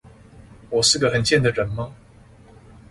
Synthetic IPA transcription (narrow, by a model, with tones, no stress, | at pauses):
wɔ˨˩ʂɻ̩˥˩ɡə˩xə˨˩nt͡ɕjɛ˥˩nd̪ə˩ɻə˨˩nmə˥